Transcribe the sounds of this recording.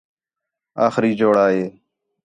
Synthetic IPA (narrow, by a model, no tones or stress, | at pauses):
aːxɾiːd͡ʒoːɽaːɦeː